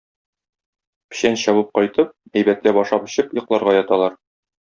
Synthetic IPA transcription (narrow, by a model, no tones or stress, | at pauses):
pɘ̥̆ɕænɕɒβɤp̚qɒjt̪ɤp̚æjbæt̪læbɒʃɑpɤ̆ɕɤpjɤ̆qlˠɑɾʁɑjɒt̪ɑlˠɑɾ